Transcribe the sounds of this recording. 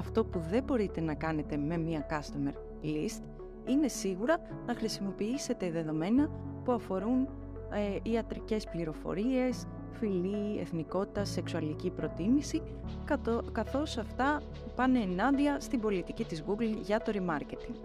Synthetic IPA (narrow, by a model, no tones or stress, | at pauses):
ɐft̪o̞puðe̞bo̞ɾit̪e̞nɐkɐne̞t̪e̞me̞miɐkɐst̪ɐme̞̰ɾ | list̪ | ine̞siɣuɾɐ | nɐxɾisimo̞piise̞t̪e̞ðe̞ðo̞me̞nɐpuɐfo̞ɾun | eiɐt̪ɾice̞spliɾo̞fo̞̰ɾie̞s | filie̞̰θniko̞t̪i̥t̪ɐse̞ksuɐlicipɾo̞t̪imisi | kɐθo̞sɐft̪ɐ | pɐneːnɐnd̪iɐst̪ibo̞lit̪icit̪izɣuɡlʝɐt̪o̞ɾimɐɾce̞t̪iŋ